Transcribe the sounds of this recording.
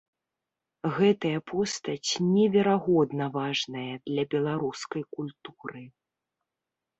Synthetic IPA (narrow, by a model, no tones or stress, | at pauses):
ɣɛt̪ɐjɐpʰɔst̪ɐt͡sʲnʲɛvʲɛɾaɣɔd̪nɐvaʐnɐjɐd̪lʲɐbʲɛlˠaɾuskɐjkulʲt̪u̥ɾɨ